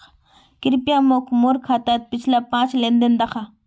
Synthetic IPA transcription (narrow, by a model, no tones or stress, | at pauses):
kɪɾpjamokmʊɾkʰat̪at̪̚pɪt͡ʃlapãːt͡ʃlend̪end̪ɑqa